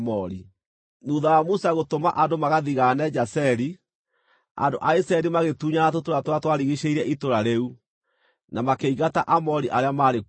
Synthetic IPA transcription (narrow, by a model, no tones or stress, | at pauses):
mɔɾi | nuðawamosaɣotoma̰ʔandomaɣaðiɣaːnɛd͡ʒasɛɾi | a̰ndo̰ʔaisɛɛɾimaɣetuːɲaatotoɾatwatwaɾiɣiɕeiɾɛʔitoɾaɾeu | namakeiɣataʔamɔɾiʔaɾeamaɾe